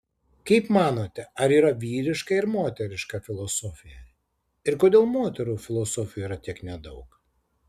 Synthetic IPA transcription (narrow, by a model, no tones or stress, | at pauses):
kɐɪpmɑːnoːt̪ʲɛɐɾiːɾɐʋʲiːɾʲɪʃkɐɪɾmoːt̪ʲɛɾʲɪʃkɐfʲɪlˠosɔːfʲɪjɛ | ɪɾkoːd̪ʲeːlˠmoːt̪ʲɛɾuːfʲɪlˠoːsɔːfʲɪjuːiːɾɐt̪ʲiɛknʲɛd̪ɐʊk